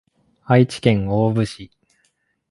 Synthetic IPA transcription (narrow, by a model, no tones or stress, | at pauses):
ait͡ɕi̥kẽ̞ŋo̞ːbɯ̟ɕi